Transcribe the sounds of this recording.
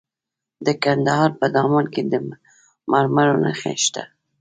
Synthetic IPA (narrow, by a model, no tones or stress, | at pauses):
d̪əkand̪ahɑɾpəd̪ɑmɑnked̪ə | maɾmaɾona̰xḛʃt̪a̰